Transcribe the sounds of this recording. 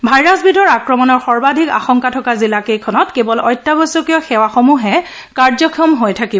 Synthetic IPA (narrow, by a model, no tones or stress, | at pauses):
bʱajɹasbidʱɔɹakɹɔmɔnɔɹxɔɹbadʱika̰xɔŋkatʰɔkazilakejkʰɔnɔtkebɔlɔjtːabɔsɔkijɔxɛwaxomuɦɛ | kaɹzɔkʰiɔmɦojtʰakibɔ